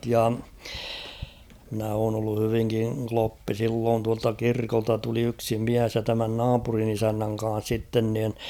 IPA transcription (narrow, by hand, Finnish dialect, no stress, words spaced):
jɑ mɪ̆næ oːn olːu hyʋiŋkiŋ klopːi silːoːn tuɑltɑ kirkoltɑ tuli yksi miæs jɑ tæmæn nɑːpurin isænːæŋ kɑ̃ːs sitːen niˑn